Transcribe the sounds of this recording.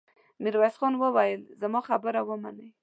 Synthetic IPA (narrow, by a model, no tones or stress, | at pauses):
miɾwasxɑnwəwajəlzamɑxabəɾawəmanəj